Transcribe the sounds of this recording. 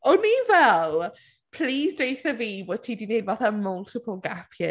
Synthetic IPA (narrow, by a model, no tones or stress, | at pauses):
ɔnivɛl | pʰl̥iːzdejθəviːbɔːd̥tʰiːdinejdvaθamʊlˠtʰɪpʰəlˠɡapʰjə